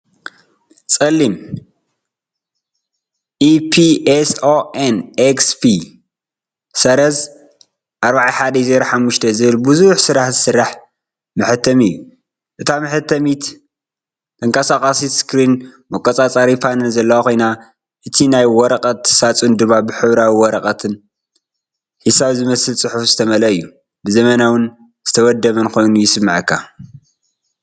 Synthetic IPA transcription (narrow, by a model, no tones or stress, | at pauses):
t͡sʼɐlːim | ʔipʰiesoʔenekspʰi | sɐɾɐz | ʔaɾbaʕaħad̪ɐjzeɾaħamːuʃt̪ʰɐzɨβɨlbɨzuħsɨɾaħzɨsɨrːaħ | mɨħɨt̪ʰːɐmɨjːu | ʔɨt̪ʰamɨħɨt̪ʰːɐmit̪ | t̪ʰɐŋkasakʼasit̪skʰɾinmɐkʼɔt͡sʼat͡sʼaɾifanɨnzɐlːɐwakʰo̞jna | ʔɨt̪ʰinajwɔɾɐqʼɐt̪ːsat͡sʼund̪ɨmːabɨħɨβɾawiwɔɾɐkʼɐt̪ʰɨn | hisaβzɨmɐsɨlt͡sʼɨħufzɨt̪ʰɐmɐlɐɨjːu | bɨzɐmɐnawɨn | z̥ɨt̪ʰɐwɐd̪ːɐβɐnkʰo̞jnujɪsɨmːɨʕɨkʰːa